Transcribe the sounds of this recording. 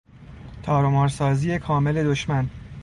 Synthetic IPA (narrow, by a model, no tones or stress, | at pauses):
t̪ʰɒːɾomɒːɾsɒːziːje̞kʰɒːme̞le̞d̪o̞ʃmæn